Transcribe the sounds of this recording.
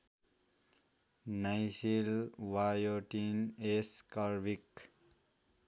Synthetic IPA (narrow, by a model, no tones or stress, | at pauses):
najsilʋajoʈineskəɾʋik